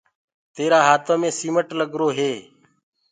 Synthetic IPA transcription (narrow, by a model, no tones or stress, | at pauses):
t̪eːɾaːɦaːt̪ʰõːmẽːsiːməʈləɡɾoːɦeː